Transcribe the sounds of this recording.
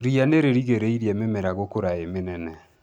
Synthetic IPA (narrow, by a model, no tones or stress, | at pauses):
ɾianeɾeɾiɣeɾeiɾiɛmemɛɾaɣokoɾaemenɛnɛ